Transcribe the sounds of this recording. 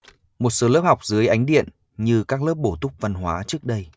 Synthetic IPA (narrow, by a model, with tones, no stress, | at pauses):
mo˨˩t̚so˨˦lə˦˥p̚ha˨˩wk͡p̚zɨ˨˦əjʔa˨˦jŋ̟ɗḭ˧˨ən | ɲɨ˧kaː˦˥k̚ləː˦˥p̚ɓo˧˩t̪ʊ˦˥k͡p̚və˨˩nɦwaː˨˦t͡ɕɨ˦˥ək̚ɗə˧j